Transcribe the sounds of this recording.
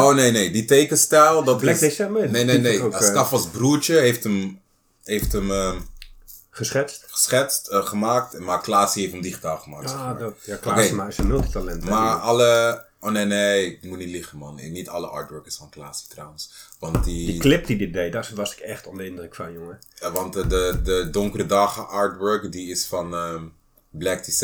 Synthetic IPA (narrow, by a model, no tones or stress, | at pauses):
oːnejneːditejkənstɛlˠdɔtlɛkdesɛmənenenejstafɔsbruəɹt͡ʃəɦeftəm | ɦejftəmə | χəsɛstχə̥sχɛtstχəmaːk̚tmaklaːsiheftəmdiχitaːlˠχəmaːksaakokejaɪsəmɪlˠtitalɛntmmaɑlə | oneneɪk̚mutnitlɪχənmɑnɪ̰nitɑləʔɑ̰ːɹtwɜɹkəɹsfɑnklaːsi̥trawənsʋɑnt̚didiklɪp̚tidɪdejdasʋɔsɪ̥kɛχtɔndəɪndrəkfanjʊŋəʋɑntdədədʊŋkərədɑχəʔɑɹtwøɹkdiɪsfɑnə | blɛk̚tis